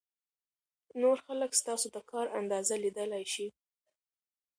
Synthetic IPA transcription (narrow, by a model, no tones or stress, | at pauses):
noɾxaləkst̪ɑsod̪əkʰɑɾand̪ɑzalid̪əlajʃi